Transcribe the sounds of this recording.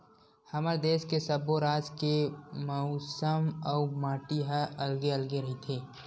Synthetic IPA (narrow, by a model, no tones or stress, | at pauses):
hɐməɾd̪eːʃkesəboɾaːd͡ʒkemɐʊsəməʊmaːʈiɦəəlɡeɐlɡeɾɐɦit̪ʰeː